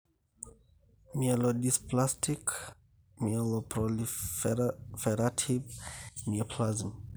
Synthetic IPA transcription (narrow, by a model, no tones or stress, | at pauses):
mielodisplastʰik | miolopɾoliffeɾatʰivmiepʰlazm